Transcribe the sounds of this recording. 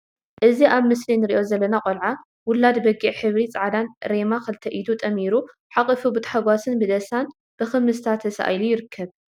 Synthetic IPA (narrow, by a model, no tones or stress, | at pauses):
ʔɨziʔaβmɨslinɨɾiʔo̞zɐlːɐnakʼolʕa | wʊlad̪bɐɡiʕħɨβɾit͡sʼaʕad̪anɾemakɨlt̪ʰɐʔid̪ut̪ʼɐmiɾu | ħakʼɨfubɨt̪ʼħaɡʷasɨnbɨd̪ɐsan | b̥ɨxɨmɨst̪ʰat̪ʰːɐsʔa̰jlujɪɾɨkʰːɐβ